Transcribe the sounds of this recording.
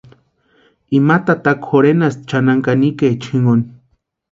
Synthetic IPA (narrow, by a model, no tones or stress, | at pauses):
imat̪at̪akxoɾenast͡ʃanaŋkaniket͡ʃʰiŋon